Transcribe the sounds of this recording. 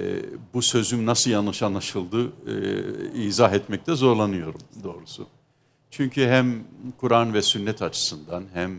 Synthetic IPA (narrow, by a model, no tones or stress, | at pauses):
busø̞zymnasɯlˠjanːɯʃanlˠaʃɯlˠd̪ɯ | iːzaɦɛt̪mɛc̚t̪ʰɛzo̞ɾlˠanɯjo̞ɾumd̪o̞ːɾusṵ | t͡ʃʰyɲcʰyɦɛmkʰuɾanvɛsynːɛt̪ʰat͡ʃʰɯ̥sɯnd̪anɦɛm